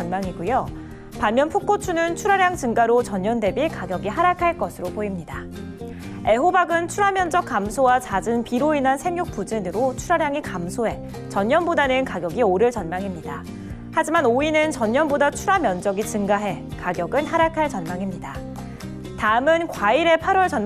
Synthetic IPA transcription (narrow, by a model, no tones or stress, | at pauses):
nmaŋiɡujo | panmjʌnpʰuk͈ot͡ɕʰunɯnt͡ɕʰuɾaɾjaŋt͡ɕɯŋɡaɾot͡ɕʌɲːʌnde̞bikaɡjʌɡiɦaɾakʰaɭk͈ʌsʰɯɾopoimɲida | e̞ɦobaɡɯnt͡ɕʰuɾamjʌnd͡ʑʌk̚k͈ːamsʰowat͡ɕad͡ʑɯnpiɾoinɦansʰe̞mjuk̚p͈ud͡ʑɯnɯɾot͡ɕʰuɾaɾjaŋikamsʰoe̞ | t͡ɕʌɲɲʌnbodanɯnkaɡjʌɡioɾɯɭt͡ɕʌnmaŋimɲida | had͡ʑimanoinɯnt͡ɕʌɲːʌnbodat͡ɕʰuɾamjʌnd͡ʑʌɡit͡ɕɯŋɡaɦe̞kaɡjʌɡɯnɦaɾakʰaɭt͡ɕʌnmaŋimɲida | taɯmɯnkwaiɾe̞pʰaɾwʌɭt͡ɕʌn